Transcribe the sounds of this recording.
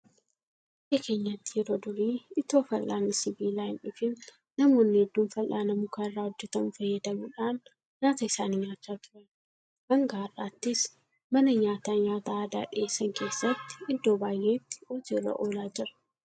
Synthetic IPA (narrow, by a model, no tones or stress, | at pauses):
ʔeke̞ːɲːɐt̪ːɪjɛɾo̞ːd̪ʊɾiːɪt̪o̞ːfɐlʔaːnːɪsɪbiːlaːjɪnʊfɪn | nɐmo̞ːnːɪhɛd̪ːuːnfɐlʔaːnɐmukɐɪrːaːhɔd͡ʒːɛt̪ɐmʊfɐjːɐd̪ɐmuᶑaːn | ɲaːt̪ɐɪsaːnɪɲaːt͡ʃːaːt̪ʊ̥ɾɐn | mɐŋɡaːrːaːt̪ːɪs | mɐnɐɲaːt̪aːɲaːt̪aːd̪a̰ːᶑɪʔesːɐŋke̞ːsːɐt̪ːɪ̥ɪd̪ːo̞ːbaːjːe̞ːt̪ːɪ̥ɔd͡ʒelɐ̰ʔoːlaːd͡ʒɪɾɐ̥